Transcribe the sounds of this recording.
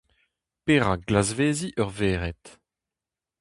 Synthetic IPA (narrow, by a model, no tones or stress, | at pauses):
peːʁaɡlazveːziʔœʁveːʁɛt